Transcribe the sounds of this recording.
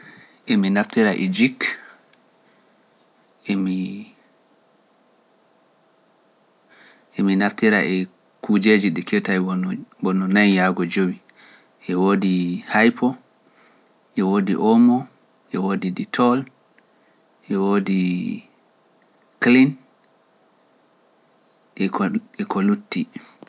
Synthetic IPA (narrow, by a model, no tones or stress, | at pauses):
ʔɛminaftiɾaʔɛd͡ʒik | mi | ʔɛminaftiɾaʔɛ | kud͡ʒeːd͡ʒiɗɛkʰɛtajɔbɔnɔnanjaɡɔd͡ʒowi | ʔɛwoːdihajpʰɔ | ʔɛwoːdḭʔɔmɔ | ʔɛwoːdiditʰɔl | ʔɛwoːdi | klin | ɛkɔlutːi